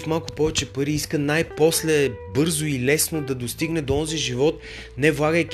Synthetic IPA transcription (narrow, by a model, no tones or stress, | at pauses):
fmalˠkʊ̥pɔvɛt͡ʃɛpəɾiiskənajpɔslɛbɤɾzʊilɛsnod̪ɐd̪ost̪iɡnɛd̪oɔnziʒivɔt̪̚ | nɛvlˠaɡəjk